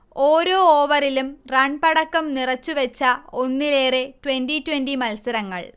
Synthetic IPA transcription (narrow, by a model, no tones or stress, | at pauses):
o̞ːɾo̞ːoːʋɐrilumrɐɳpɐɽɐkːɐmnirɐt͡ɕːuʋet͡ɕːɐo̞nːileːretwenɖitwendimɐlsɐɾɐŋːɐ̰ɭ